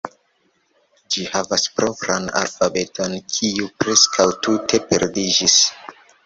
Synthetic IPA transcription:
d͡ʒihavaspɾopɾana̰lfabe̞to̞nkʰiupɾeskʰawtute̞peɾdid͡ʒis

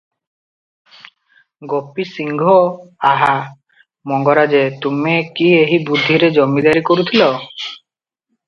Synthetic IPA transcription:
ɡopisiŋɡʱɔaɦa | mɔŋɡɔɾad͡ʒet̪umekieɦibud̪ʱːiɾed͡ʒɔmid̪aɾikoɾut̪ʰilɔ

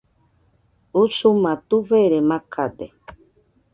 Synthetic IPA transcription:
usumãt̪uveɾemakʰad̪e

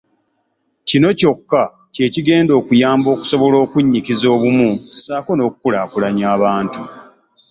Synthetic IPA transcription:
cino̞co̞kːa | ce̞ːciɡe̞ːndo̞ːkujaːmbo̞ːku̥so̞βo̞lo̞ːkuɲːikizo̞ːβumusaːko̞no̞ːku̥kulaːkulaɲaːβaːntu

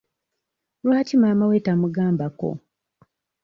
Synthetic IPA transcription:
lwaːtimaːmawetamuɡaːmbako̞̰

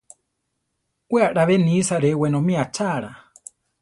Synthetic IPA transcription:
waɗaβɛnisaɾɛwɛnɔmiat͡ʃʰaɺa

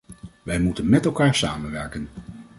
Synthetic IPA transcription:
ʋɛjmutənmɛtɛlˠkaːɹsa̰ːmənʋɛɹkən

